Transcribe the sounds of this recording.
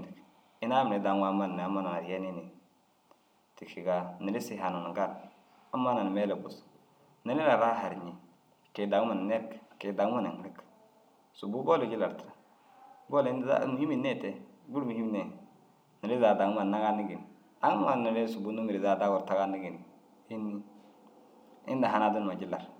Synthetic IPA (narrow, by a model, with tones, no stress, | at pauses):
i˨k | i˦na˦mi˨ɾe˨da˨ŋwa˦ma˦n˨n˨a˦ma˦˨na˨na˨ɾje˦ni˦ni˨n | ti˨ʃi˨ɡa˦ni˨li˦si˦ɦa˨na˨n˨ɡa˦ɾ | a˦mːa˦na˨n˨me˦le˨bu˨s | ni˦li˦la˨ɾa˦ɦa˨ɾɲi˨ | ke˨da˨ŋ˦ma˨n˨ne˦ɾkke˨da˨ŋ˦ma˦na̰˨ŋ˨ɾi˦k | su˨bu˦bo˦le˨d͡ʒi˦la˨ɾtɾa˨ | ɡo˦ln˦a̰˦mu˨hi˦mi˨ne˦te˨ | ɡu˦ɾmu˨hi˦m˦ne˨ | ni˨li˦za˨da˨ŋ˦ma˨nna˦ɡa˦ni˦ɡi˨n˨ | a˦ŋ˦m˦a˨ni˨le˦su˨bu˦nu˦mi˨ɾi˨za˨da˦ɡu˨ɾta˦ɡa˦ni˦ɡi˨ni˨ | i˦ni˦ | ḭ˦nda˨ɦa˨na˦di˦n˨ma˨d͡ʒi˦la˨ɾ